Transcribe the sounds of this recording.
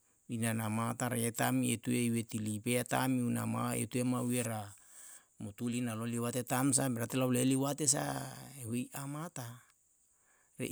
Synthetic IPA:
inanamataɾaetamietueiwetilipeata̰miuna̰maḛtuemaweɾa | mutulinaloliwatetams̬ameɾatelawleliwates̬a̰ehejamata | ɾḛ

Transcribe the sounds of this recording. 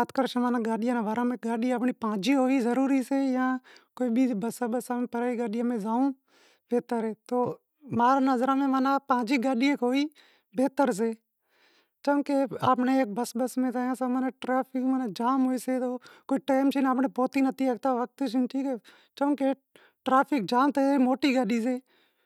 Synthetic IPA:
aːt̪kəɾt͡ʃʰẽmaːnãɡaːɗɪjãːnãːʋaːɾãːmẽːɡaːɗiapɳiːpãːd͡ʒiːɦoːiːzəɾuːɾiːseːjãːkoːiːɓiːbəsaːɓəsaːmẽpəɾaːiːɡaːɗɪjãːmẽːzaːũː | beːt̪aːɾeːt̪oː | maːɾaːnəzɾãːmẽːmaːnãːpãːd͡ʒiːɡaːɗɪjẽːkoːiː | beːt̪əɾs̬eː | t͡ʃəːkeːaːpɳeːeːk̚bəsbəsmẽːt̪aːjãːsaːməneʈɾaːpʰɪkmənad͡ʒaːmɦoːiːseːt̪oːkoːiʈaːɪmt͡ʃʰɪnaːpɳeːpoːt̪iːnət̪iːəːkt̪aːʋək̚t̪ːt͡ʃʰɪnt͡ʃʰiːke | t͡ʃə̃ːkeː | ʈɾaːpʰɪk̚d͡ʒaːmt̪emoːʈiːɡaːɗiːs̬eː

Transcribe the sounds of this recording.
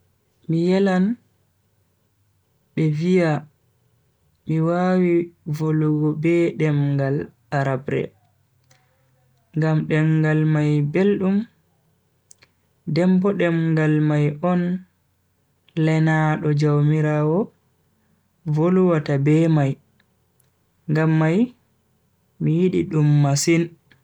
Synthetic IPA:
mijɛlan | ɓɛvija | miwawivoluɡɔbɛɗɛmɡal | aɾabɾɛ̰ | ŋɡamɗɛŋɡalmajbelɗum | dɛmbɔɗɛmŋɡalmajɔn | lɛnaɗɔd͡ʒawmiɾawɔ | voluwatabɛmaj | ŋɡamːaj | mijiɗiɗumːasin

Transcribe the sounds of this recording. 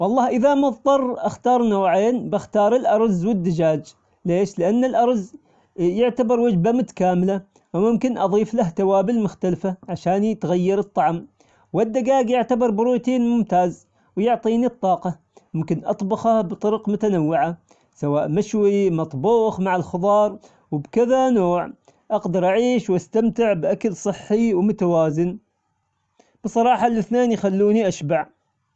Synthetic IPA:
wɑlˤːɑːhʔɪðamɑðˤt̪ˤɑɾˤʔaxt̪ɑːɾˤnawʕeːnbɪxt̪ɑːɾˤɪlʔɑɾˤzwɪd̪ːad͡ʒaːd͡ʒ | leːʃlɪʔanːɪlʔɑɾˤz | jʊʕt̪abɑɾˤwad͡ʒbamʊt̪ḁkaːmɪla | wmʊmkɪnʔɑðˤiːflaht̪awaːbɪlmʊxt̪alfaʕaʃaːnit̪ɣajːɪɾɨt̪ˤːɑʕm | wɪd̪ːaɡaːɡjɪʕt̪abɑɾˤbɪɾuːjt̪eːnmʊmt̪aːz | wjʊʕt̪ˤiːnit̪ˤːɑːqɑ | mʊmkɪnʔɑt̪ˤbɑxabt̪ˤɑɾqmʊt̪anawːɪʕa | sawaːʔmaʃwimɑt̪ˤbuːxmaʕɪlxɨðˤɑːɾˤ | wɪbkɪðanoːʕ | ʔɑɡd̪ɑɾˤʔaʕiːʃwʔast̪amt̪ɪʕbʔakalsˤɨħːiwmʊt̪awaːzɪn | b̥ɨsˤːɑɾˤɑːħɑlːʔɪθneːnjxalːuːniʔaʃbaʕ

